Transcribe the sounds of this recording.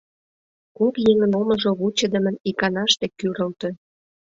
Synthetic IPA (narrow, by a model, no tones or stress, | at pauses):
kokjeŋə̆nomə̆ʒoβut͡ɕə̆d̪ə̆mə̆nikɑnɑʃt̪ĕkːyɾə̆lt̪ø̆